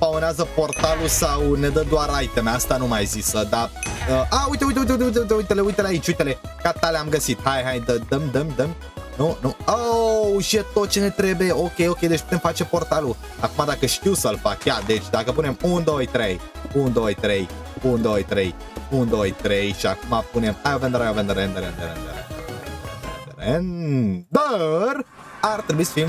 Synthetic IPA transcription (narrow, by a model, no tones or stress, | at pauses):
paoneazəpo̞rt̪alusawne̞d̪əd̪oarajt̪emeast̪anumajzisəd̪aəʔaujt̪e̞ujt̪̬eujt̪eujt̪eujt̪eujt̪̬eujt̪eleujt̪eleait͡ʃʲujt̪ele̞ | kat̪aleamɡəsit̪hajɦajd̪əd̪əmd̪əmd̪əm | nunuoʃet̪ot̪̚t͡ʃene̞t̪ɾe̞bujeo̞kʲe̞jo̞kʲejd̪et͡ʃʲp̚u̥t̪emfat͡ʃe̞po̞rt̪alu | akumad̪akəʃkuwsɐlfakjad̪et͡ʃd̪akəp̬unemund̪oːjt̪ɾej | und̪ojt̪ɾej | und̪oːjt̪ɾej | und̪ojt̪ɾejʃakumapunemajobənd̪əɾajobənd̪əɾend̪əɾend̪əɾend̪əɾḛnd̪əɾd̪nd̪əɾḛnd̪əɾend̪əɾ | aɾt̪əɾbisfim